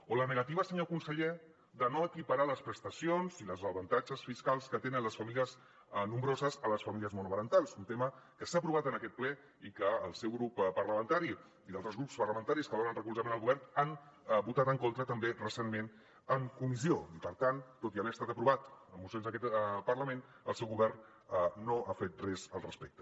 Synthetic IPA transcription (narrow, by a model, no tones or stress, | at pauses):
olənəɣ̞ət̪iβəsəɲokunsəʎe | d̪ənoəkipəɾaləspɾəst̪əsionziləzəβənt̪ad͡ʒəsfiskalˠskət̪enənləsfəmiliəz | numbɾozəzələsfəmiliəzmunuβəɾənt̪alˠsunt̪eməkəsaːpɾuβat̪ənəkɛt̪̚plɛ | ikəːlˠsɛwɣɾuppərləmənt̪aɾi | iðalˠt̪ɾəzɣɾupspəɾləmənt̪aɾiskəðonənrəkulzəmenəlˠɣuβɛrnanbut̪at̪əŋkont̪ɾət̪əmberəsenmen | əŋkumisioipəɾt̪ant̪ːot̪iəβeəst̪at̪əpɾuβat̪əmusionzðəkɛt̪pərləmen | ə̰lˠsɛwɣuβɛrn | əːoʔafet̪̚rɛzəlˠrəspek̚t̪ə̥